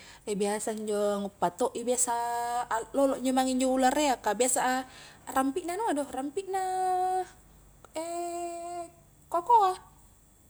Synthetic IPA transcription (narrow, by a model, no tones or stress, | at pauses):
ɛbiasaɲd͡ʒɔŋupːat̪ɔʔibiasa | lɔlɔʔɲɔmaŋiɲd͡ʒɔulareakabiasaːrampiʔnanuadɔhrampiʔna | ɛ | kɔkɔa